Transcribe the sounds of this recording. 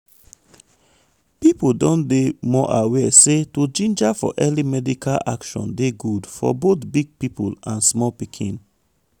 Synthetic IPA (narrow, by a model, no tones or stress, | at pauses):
pipuldɔ̃ndemɔʔawɛsetud͡ʒĩnd͡ʒafɔ̰ʔɛlimɛdikʰalakʃɔ̰̃ndeɡudfɔ̰botbiɡ̚pipulãnsmɔlpikʰḭ̃n